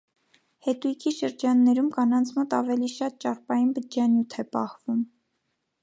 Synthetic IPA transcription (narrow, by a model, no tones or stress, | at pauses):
hɛt̪ujkʰiʃəɾd͡ʒɑnːɛɾumkɑnɑnt͡sʰmɔt̪ɑvɛliʃɑt̪̚t͡ʃɑrpɑjinbəd͡ʒɑnjut̪ʰɛpɑhvum